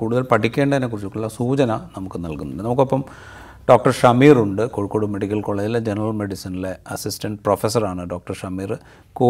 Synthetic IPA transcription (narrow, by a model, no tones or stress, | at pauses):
kuːɽuðɐlpɐʈʰːikʲːe̞ːɳɖɐðɐnːekːurit͡ɕːukːuɭːɐsuːt͡ɕɐnɐnɐmukːɨnɐlkunːuɳɖɨnɐmukːopːɐm | ɖoːk̚ʈɐrʂɐmiːruɳɖɨkoːɻikːoːɽume̞ɽikʲːɐlkoɭeːd͡ʑiled͡ʑenɐrɐlme̞ɽisinile̞ɐsistɐɳɖɨprofes̬ɐraːɳɨɖoːk̚ʈɐrʂɐmiːr | koː